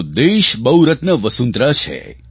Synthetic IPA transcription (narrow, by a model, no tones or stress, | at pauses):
d̪eʃbəwɾət̪nəʋəsunt̪ɾat͡ʃʰḛ